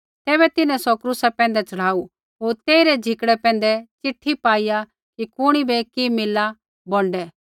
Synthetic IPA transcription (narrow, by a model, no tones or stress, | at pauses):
t̪ɛːβɛt̪ɪnɛ̃sɔkɾusapɛ̃ːn̆d̪ɛt͡ʃɐɽ̤aːu | ɦoːɾt̪eːiɾɛd͡ʒʱɪkɽɛpɛ̃ːnd̪ɛt͡ʃɪʈʰːipaːija | kikʊɽ̃ibɛkimɪlːa | bɔ̃ɳɖɛː